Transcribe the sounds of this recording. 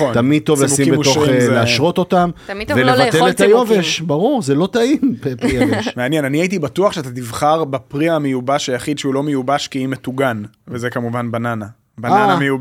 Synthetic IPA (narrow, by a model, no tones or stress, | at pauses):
ot̪amid̪̚t̪o̞vlasimbeo̞χleaʃʁo̞t̪o̞t̪amvelevatelet̪ajoveʃbaʁuʁzelo̞t̪aimppiaʃmeanjenaniait̪̬ibat̪uaχʃeat̪at̪ivχaʁbapʁiamejubaʃajaχid̪ʃeulo̞mejubaʃkiimet̪uɡan | vezekamuvanbanana | baananamejub